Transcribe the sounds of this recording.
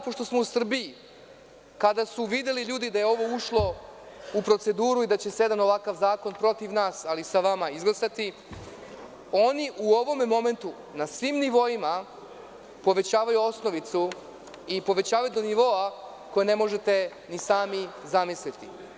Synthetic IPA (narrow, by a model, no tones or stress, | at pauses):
po̞ʂt̪o̞smo̞usr̩bii | kad̪asuʋid̪eliʎuːd̪id̪aje̞o̞ʋo̞uʃlˠo̞ | upɾo̞t̪se̞d̪uːɾuid̪at͡ɕe̞sjed̪ano̞ʋakaʋzaːko̞npɾo̞t̪iʋnaːsalisaʋamaizɡlˠasat̪i | o̞niʔuo̞ʋo̞memo̞me̞nt̪u | nasʋiːmniʋo̞ima | po̞ʋe̞t͡ɕaːʋajuo̞sno̞ʋit̪su | ipo̞ʋe̞t͡ɕaːʋajud̪o̞niʋo̞a | ko̞jene̞mo̞ʒe̞t̪e̞ | nisaːmizamislit̪i